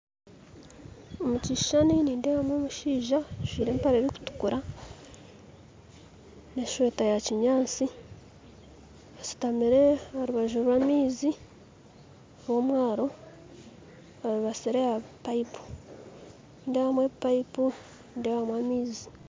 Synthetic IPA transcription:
omuciʃʃaniniːndehamwoːmuʃiːʒaʃiːɾe̞ːmpaɾeɾiku̥tu̥kuɾa | ne̞ʃotajaciɲaːnt͡si | asi̥tamiɾe̞haɾuβaʒuɾwaːmiːzi | βwo̞mwaːɾo̞ | aɾuβasiɾejapaipu̥ | ndehamwepaipu | ndehamwaːmiːzi

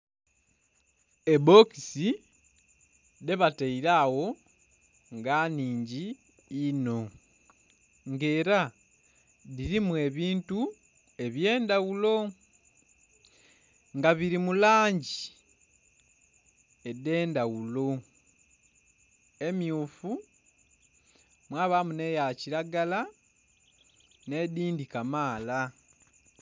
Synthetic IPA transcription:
ebo̞ːkisi | de̞βateiɾaːwo̞ | ŋɡaniːɲɟiː | no̞ | ŋɡe̞ːɾa | diɾimwe̞βiːntu | e̞βje̞ːndawulo̞ | ŋɡaβiɾimulaːɲɟi | ede̞ːndawulo̞ | e̞mjuːfu | mwaːβamune̞jaciɾaɡala | ne̞diːndikamaːla

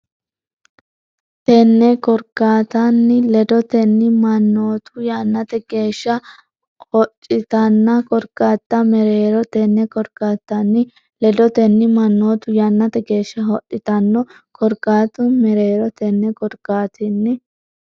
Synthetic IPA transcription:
t̪ɛnːɛkɔɾkaːt̪ɐnːɪlɛd̪ɔt̪ɛnːɪmɐnːoːt̪ʊjaːnːɐt̪ɛɡ̥e̞ːʃːɐ | hɔt͡ʃʼːɪt̪ɐnːɐkɔɾkaːt̪ːɐmɛɾeːɾɔt̪ɛnːɛkɔɾkaːt̪ːɐnːɪ | lɛd̪ɔt̪ɛnːɪmɐnːo̞ːt̪ʊjaːnːɐt̪ɛɡe̞ːʃːɐɦɔʔɪt̪ɐnːɔ | kɔɾkaːt̪ʊmɛɾeːɾɔt̪ɛnːɛkɔɾkaːt̪ɪnːɪ

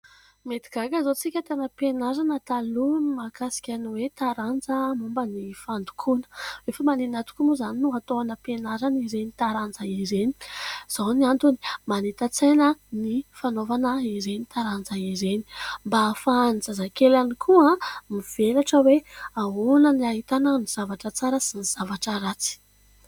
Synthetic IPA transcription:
met̪i̥ɡakəzot͡sikʲət̪enəpenaɾanət̪alumakasi̥kʲaniwet̪aɾand͡zəmumbənifand̪u̥kʰunəefəmanenat̪u̥kumuzaninuat̪oanəpenaɾaniɾenit̪aɾand͡zəiɾeni̥z̥oniant̪uni̥manet̪at͡sanənifanovanəiɾenit̪aɾand͡zəiɾeni̥mbafand͡zazakelanikʰuãmiv̥elaʈ͡ʂəweaunəniaɦit̪anəniz̥avaʈ͡ʂət͡saɾəsiniz̥avaʈ͡ʂəɾat͡si̥

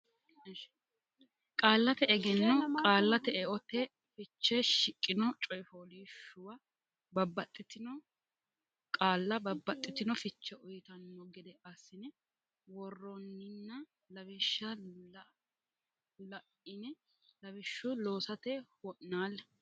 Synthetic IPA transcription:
kʼaːlːɐt̪ɛʔɛɡɛnːɔkʼaːlːɐt̪ɛʔɛʔɔt̪ɛ | fɪt͡ʃːɛʃɪkʼːɪnɔt͡ʃʼɔjfoːliːʃːʊwɐ | bɐbːɐt̪ʼːɪt̪ɪnɔ | kʼaːlːɐbɐbːɐt̪ʼːɪt̪ɪnɔfɪt͡ʃːɛʔʊjt̪ɐnːɔɡɛd̪ɛʔɐsːɪnɛ | wɔrːɔnːɪnːɐ | lɐβɪʃːɐ | lɐʔɪnɛ | lɐbɪʃːʊlo̞ːsɐt̪ɛwɔʔnaːlːɛ

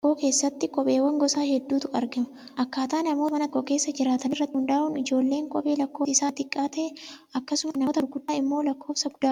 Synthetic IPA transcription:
koːke̞ːsːɐt̪ːɪkʼɔpʼe̞ːwːɐŋɡɔsaːhɛd̪ːuːt̪ʊɐɾɡɐm | ʔɐkːaːt̪aːnɐmoːmɐnɐkɔke̞ːsːɐd͡ʒɪɾaːt̪ɐnɪrːɐt̪ːɪhʊnd̪aːʔuːnɪd͡ʒo̞ːlːe̞ːŋkʼɔpʼe̞ːlɐkːo̞ːɪsaːt̪ɪkʼːaːt̪ɐʔɛɐkːɐsʊmɐnɐːt̪ɐɾɡʊd̪ːaːɪmːo̞ːlɐkːo̞ːfsɐɡʊd̪aː

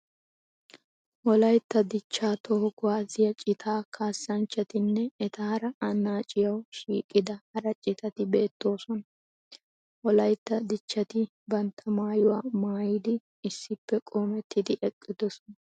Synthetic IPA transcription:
ʔɔlɐjt̪ːɐd̪ɪt͡ʃːaːt̪ɔhɔkʊwaːzɪjɐt͡ʃʼɪt̪ʰaːkʰaːsːɐnt͡ʃːɐt̪ɪnːɛːt̪ɐːɾɐʔɐnːaːt͡ʃʼɪjɐwʃiːkʼːɪd̪ɐhɐɾɐt͡ʃʼɪt̪ɐt̪ɪbe̞ːt̪ːo̞ːsɔnɐ | ʔɔlɐjt̪ːɐd̪ɪt͡ʃːɐt̪ɪ | bɐnt̪ʰːɐmaːjʊwaːmaːjɪd̪ɪː | sːɪpːɛkʼo̞ːmɛt̪ːɪd̪ɪʔɛkʼːɪd̪ɔsɔnɐ

